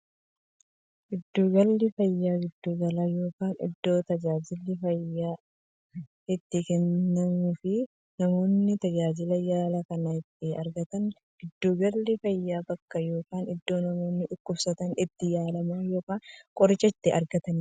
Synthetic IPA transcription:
ɡ̥ɪd̪ːuːɡɐlːɪfɐjːaːɡɪd̪ːuːɡɐlaːjo̞ːkaːnɪ̰d̪ːo̞ːt̪ɐd͡ʒaːd͡ʒɪlːɪfɐjːaː | ɪt̪ːɪkɛnːɐmʊfɪ | nɐmo̞ːnːɪt̪ɐd͡ʒaːd͡ʒɪlɐjaːlɐkɐnɐɪt̪ːɪɐ̰ɾɡɐt̪ɐn | ɡ̥ɪd̪ːuːɡɐlːɪfɐjːaːbɐkːɐjo̞ːkaːnɪd̪ːo̞ːnɐmo̞ːnːɪʔʊkːʊbsɐt̪ɐnɪt̪ːɪjaːlɐmaːjo̞ːkaːnkʼɔɾɪt͡ʃʼːɐɪt̪ːɪʔɐɾɡɐt̪ɐn

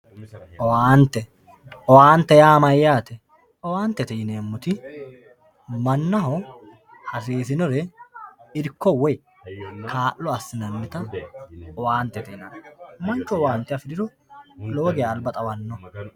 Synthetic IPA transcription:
ɔwaːnt̪ːɛ | ɔwaːnt̪ːɛjaːmɐjːaːt̪ɛ | ɔwaːnt̪ːɛt̪ɛjɪneːmːʊt̪ɪ | mɐnːɐhɔ | hɐseːsɪnɔɾɛ | ɪɾkːɔwɔj | kaːʔːɔɐsːɪnɐnːɪt̪ɐ | ɔwaːnt̪ːɛt̪ɛjɪnɐnmɐnt͡ʃːɔɔwaːnt̪ːɪjɐfɪd̪ɪɾɔ | loːɡɪjaːlbɐt̪ʼɐwɐnːɔ

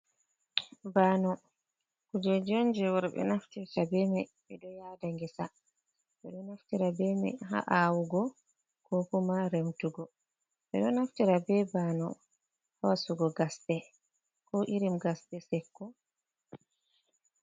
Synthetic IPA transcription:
banɔ | kud͡ʒɛd͡ʒond͡ʒɛwɔɾɓɛ̰naftiɾtabɛmɛɓɛdɔjadaŋɡɛsa | ɓɛɗɔnaftiɾabɛmɛ̰ɦa̰ʔawuɡɔ | kɔkumaɾemtuɡɔ | ɓɛɗɔnaftiɾabɛbanɔ̰ | hawasuɡɔɡastɛ | kɔʔiɾimɡastɛsɛkːɔ

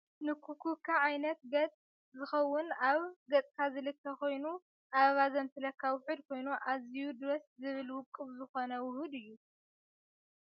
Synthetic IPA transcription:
nɨkʰukʰukʰːaʕajnɐt̪̚ɡɐt͡sʼ | zɨxɐwːʊnaβɡɐt͡sʼkʰazɨlɨkʰːɐkʰo̞jnu | ʔaββazɐmt̪ʰɨlɐkʰːawʊħɨd̪̚kʰo̞jnuʔazijud̪ɾɐszɨβɨlwʊkʼːɨβzɨxo̞nɐwʊhud̪ɨjːu

